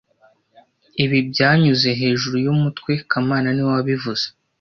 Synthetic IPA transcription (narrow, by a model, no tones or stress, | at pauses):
iβibɟaːɲuze̞ɦe̞ːʒuɾujumutkwe̞kʰamaːnaniwaβivuz̥e̥